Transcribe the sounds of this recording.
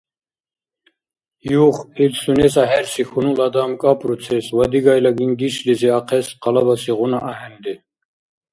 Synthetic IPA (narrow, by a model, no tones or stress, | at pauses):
juχilsunɛsaɦɛɾsixunulad̪amkʼapʼɾut͡sʰɛswad̪iɡajlaɡinɡiʃliziaqʰɛsqɑlabasiʁunaʔaɦɛnd̪ɛ